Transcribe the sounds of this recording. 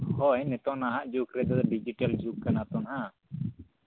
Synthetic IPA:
hɔjnɛt̪ɔnaɦaʔd͡ʒukɾɛd̪ɔd̪ɔɖid͡ʒiʈald͡ʒukːanat̪ɔnɦa

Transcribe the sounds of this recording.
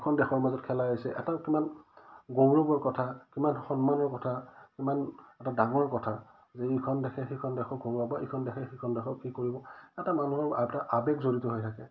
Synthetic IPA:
kʰɔndɛxʰɔɹmazɔtkʰɛlajɔjsɛʔɛtakimanɡowɹɔbɔɹkɔtʰakimanxɔnmanɔɹkɔtʰakimanɛtadaŋɔɹkɔtʰa | zɛikʰɔndɛkʰɛxekʰɔndɛkʰɔɡoɹabaʔikʰɔndɛkʰɛxikʰɔndɛxʰɔkikoɹibɔɛtamanuɦɔɹaɛtaʔabɛkzoɹitɔɦɔjtʰakɛ

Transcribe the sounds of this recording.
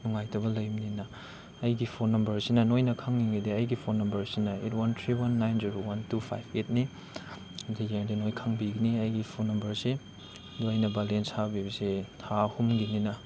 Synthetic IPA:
nuŋajtɐbɐlɐjmninɐː | jɡipʰonːɐmbɐɾsinɐnojnɐkʰaŋːiŋɡideɐjɡipʰonːɐmbɐɾsinɐit̚wantʰɾiwanːajnziɾowantupʰa̰jbet̚ni | dijeŋdinojkʰaŋbiɡiniɐjɡipʰonːɐmbɐɾsi | doɐjnɐbalenshabibɐsitʰahumɡininɐ

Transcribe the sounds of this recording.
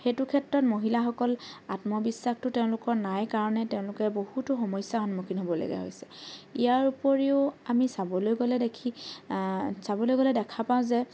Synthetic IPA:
xetʊkʰɛtɹɔtmoɦilaxɔkɔlatmɔbisːaxtʊteʊ̃lʊkɔɹnajkaɹɔnɛtɛʊ̃lʊkɛbohutʊxɔmɔjsjaxɔnmukʰinɦobɔla̰ɡɛ̰ɦo̰jsɛ̥ijaɹupɔɹiʊamisabɔlojɡolɛdekʰi | sabɔlojɡolɛdɛkʰapaʊ̃zɛ

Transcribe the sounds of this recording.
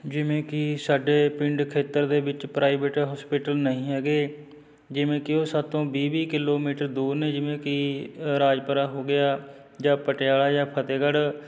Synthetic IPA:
d͡ʒɪʋẽːkɪsaːɖeːpɪ̃ɳɖkʰeːt̪əɾd̪eːbɪt͡ʃpɾaːibeːʈɦɔːspɪːʈəlnəĩːɛːɡeː | d͡ʒɪʋẽːkɪoːsət̪õːbiːʋiːkɪloːmiːʈəɾd̪uːɾneːd͡ʒɪʋẽːkɪɾaːd͡ʒpəɾaːɦoːɡɪjaː | d͡ʒãːpəʈɪjaːɭaːd͡ʒãːpʰət̪eːɡəɽ

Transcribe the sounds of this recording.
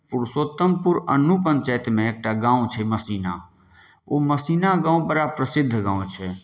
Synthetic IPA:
pʊɾsoːt̪ːəmpʊɾə̰nːupəɲt͡ʃɛːjt̪mẽeːk̚ʈaɡãːũt͡ʃʰɛməsiːna | oːməsiːnaɡãːũbəɾapɾəsɪd̪ʱːɡãːũt͡ʃʰɛ

